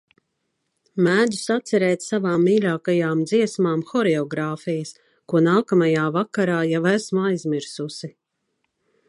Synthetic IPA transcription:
mæːd̪u̥sat̪sɛɾɛːt̪savaːmːiːlʲaːkajaːmd̪ziɛsmaːmxɔɾɛɔɡɾaːfijəs | kuɔnaːkamajaːvakaɾaːjawæsmajzmiɾsusi

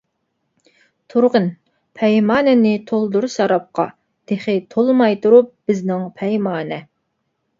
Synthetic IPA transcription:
t̪ʰuɾʁən | pʰɛjmɑːnɛnɪt̪ʰolˠd̪uɾsɑɾɑp̚qɑ̰ | d̪̥eχɪt̪ʰolˠmɑjt̪uɾup̚b̥ɪznɪŋpʰɛjmɑːnɛ

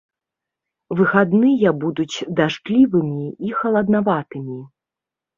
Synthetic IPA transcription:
vɨxad̪nɨjɐbud̪ut͡sʲd̪aʂklʲivɨmʲiixɐlˠɐd̪navat̪ɨmʲi

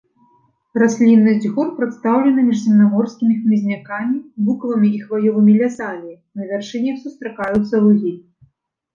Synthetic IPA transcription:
rasʲlʲinːɨzʲd͡zʲɣɔrpɾɨt̪st̪awlʲɛnɨmʲiʐzʲɛmnamɔrsʲkʲimʲixmʲizʲnʲakamʲibukvɨmʲiixvajɔvɨmʲilʲasamʲi | nɐvʲɛrʂɨnʲɛwsust̪ɾakajut̪sːɐluzʲi

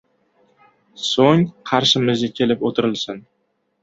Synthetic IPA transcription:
soŋqʰɑɾʃɪmɪzɡʲakʲʰe̞lɪpot̪ʰɪɾɪlsɪn

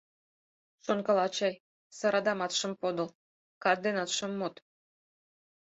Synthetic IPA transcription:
ʃonkɑlɑt͡ɕɑj | sɑɾɑd̪ɑmɑt̪ʃə̆mpod̪ol | kɑd̪enɑt̪ʃəmːot̪

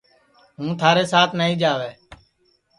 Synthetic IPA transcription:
ɦũːt̪ʰaːɾeːsaːt̪ʰnəɦĩːd͡ʒaːʋeː

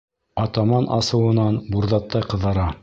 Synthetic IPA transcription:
ɑt̪ɑmɑnʔɑ̰sɤ̆wɤ̆nɑnbuɾðɑt̪ːɑjqɤ̆ðɑɾɑ

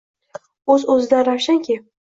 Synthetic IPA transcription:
ɵzɵzɪd̪anɾawʃaŋkʲʰe

